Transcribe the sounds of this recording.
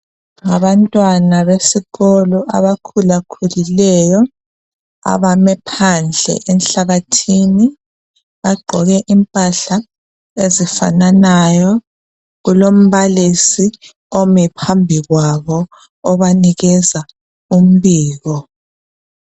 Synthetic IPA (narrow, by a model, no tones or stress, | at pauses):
ŋaβantʼwanaβesiɣɔlɔʔa̰βakʰulakʰulilɛjɔ | a̰βamɛpʰand͡ɮʱɛ̰ʔɛnɬaɣatʰini | βaɡ͡ǃʱɔɣɛʔimpʼaɬa | ezifa̰nanajɔ | ɣulom̩βalisi | omipʰambʱiɣwaβɔː | βaniɣɛza | um̩βiːɣɔ